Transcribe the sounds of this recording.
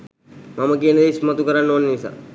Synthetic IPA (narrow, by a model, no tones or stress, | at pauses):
maməkiənəd̪eːsmət̪ukəɾanːoːnenisa̰ː